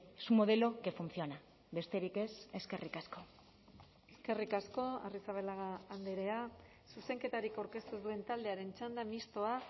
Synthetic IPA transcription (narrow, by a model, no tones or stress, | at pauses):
esumo̞ð̞e̞lo̞ke̞funθjo̞na | be̞st̪e̞ɾike̞se̞ske̞rʔikasko̞ | eske̞rikasko̞a̰risaβelaɣaːnd̪eɾe̞a | suse̞ŋke̞t̪aɾikawɾke̞st̪uzd̪ue̞nt̪ald̪e̞aɾe̞nt͡ʃand̪amist̪o̞a